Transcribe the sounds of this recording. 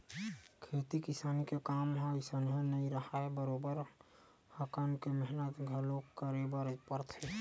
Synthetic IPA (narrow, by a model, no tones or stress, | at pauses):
kʰeːt̪ikɪsaːnikekaːmɦaɪsənɦẽnəĩɾəɦaɛbəɾobəɾ | həkankemɛɦnət̪ɡʱəlokkːəɾebəɾpəɾt̪ʰe